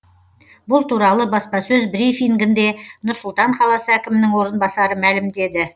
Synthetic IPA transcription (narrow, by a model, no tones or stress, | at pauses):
bʊlˠt̪ʰuɾɑlˠəbɑspɑsɵzbɾifiŋɡʲɪnd̪e̞nʊɾsʊlˠt̪ɑɴχɑlˠɑsəækʲɪmɪnɪŋwo̞ɾənbɑsɑɾəmælɪmd̪e̞d̪ɪ